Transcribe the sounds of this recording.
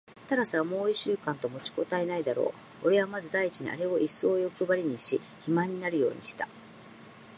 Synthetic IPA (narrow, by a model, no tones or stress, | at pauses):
t̪aɾasɨβamo̞ːiɕɨːkãnt̪o̞mo̞t͡ɕi̥ko̞t̪aenaid̪aɾo̞ː | o̞ɾe̞βamazɨd̪ait͡ɕiɲ̟ḭʔa̰ɾe̞o̞ʔiso̞ːjo̞kɯ̟baɾʲiɲ̟iɕi | çimãɲ̟ːinaɾɯ̟jo̞̰ːɲ̟iɕi̥t̪a